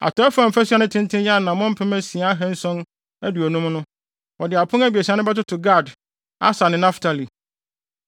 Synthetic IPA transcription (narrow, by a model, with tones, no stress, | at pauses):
a̰˨tʰɔ˦ɛ˦fã˨m̩˨fæ˦su˦a˦nʊ̃˦tʰɪ̃˦ntʰɪ̃˦njɛ˦a˦˨nã˨mʊ̃˦m̩˦pʰɪ˦mɛ̃˦si˨a˦ɦɛ̃˦n̩˦sɔ̃˦n | æ˦du˨o˨nũ˦mnʊ̃˦ | wɔ˨dɪ˨a˨pʰʊ̃˦næ˦bi˨e˨sa˦nʊ̃˦bɛ˦tʊ˦tʰʊ˨ɡa˦˨d | a̰˦sa˨nɪ̃˨na˦ftʰa˨li˨